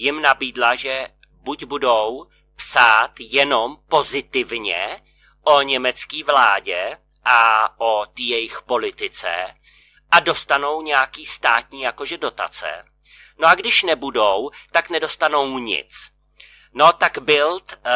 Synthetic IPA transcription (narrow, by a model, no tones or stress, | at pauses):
jɪmnabiːdlaʒɛ | buɟbudo̞w | psaːt̪jɛno̞mpo̞zɪt̪ɪvɲɛ̰ | ʔo̞ɲɛmɛt͡skiːvlaːɟɛ | ʔaʔot̪iːjɛjɪxpo̞lɪt̪ɪt͡sɛ̰ | ʔado̞st̪ano̞wɲɛjakiːst̪aːt̪ɲiːjakoʒɛdo̞t̪a̰t͡sɛ̰ | noʔaɡdɪʃnɛbudowt̪aknɛdo̞st̪ano̞wɲɪ̰t͡s | no̞t̪aɡbɪlt̪